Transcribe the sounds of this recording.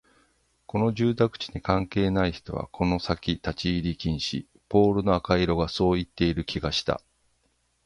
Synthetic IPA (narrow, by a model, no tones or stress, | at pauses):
ko̞no̞ʑɨːt̪akɯ̟̥t͡ɕi̥ɲ̟ikãŋke̞ːnaiçi̥t̪o̞̰βa̰kʰo̞no̞sakʲit̪at͡ɕiːɾʲikʲĩɰ̃ɕḭ | po̞ːɾɯ̟no̞akaiɾo̞ɡaso̞ːit̪ːe̞iɾɯ̟kʲiɡaɕi̥t̪a̰